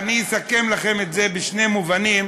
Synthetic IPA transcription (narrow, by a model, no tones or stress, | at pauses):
niisake̞mlaχe̞metzebeʃne̞muvanim